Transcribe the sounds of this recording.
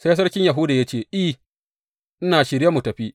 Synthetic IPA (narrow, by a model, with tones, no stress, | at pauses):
se˦s̬ɐ˦rkʲɪ˦ɲja˨ɦʊ˦daː˨ja˦t͡ʃeː˦˨ʔi˦ | ʔɪ˦naː˨ʃɪ˦ɾja˦mu˨tɐ˨ɸi˦ʔ